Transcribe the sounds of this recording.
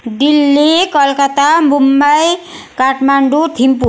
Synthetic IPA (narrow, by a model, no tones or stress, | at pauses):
d̪ilːikɔlkat̪amumbaj | kaʈmaɳɖut̪ʰimpu